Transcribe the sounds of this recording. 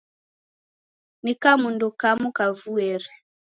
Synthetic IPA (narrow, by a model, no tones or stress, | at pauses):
nikamundɔkamukavuɛɾɛ